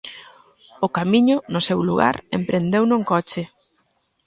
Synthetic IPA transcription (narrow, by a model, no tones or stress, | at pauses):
ʊkamiɲʊnʊsewluɣa̰ɾḛmpɾʔend̪ewnoŋkɔt͡ʃɪ